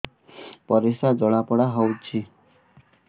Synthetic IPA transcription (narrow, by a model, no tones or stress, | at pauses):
pɔɾisad͡ʒɔɽ̃apɔɽaɦɔwt͡ʃʰi